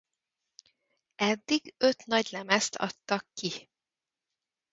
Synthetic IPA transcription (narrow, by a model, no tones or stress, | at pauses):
ɛd̪ːiɡø̞t̪nɒɟlɛmɛst̪ʰɒ̰t̪ːɒkːi